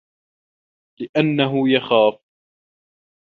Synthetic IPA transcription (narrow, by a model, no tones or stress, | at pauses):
lɪʔanːaɦʊjaxaːf